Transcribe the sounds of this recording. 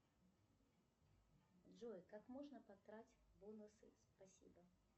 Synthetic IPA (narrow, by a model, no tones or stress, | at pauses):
ʐɔjkakmɔʐnɐpak̪ɾat͡sʲbɔnusɨ̰spasʲḭbɐ